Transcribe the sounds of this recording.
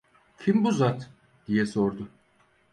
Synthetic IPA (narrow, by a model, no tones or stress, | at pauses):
cʲʰimbuzat̪ | d̪̥ijɛso̞ɾd̪ʊ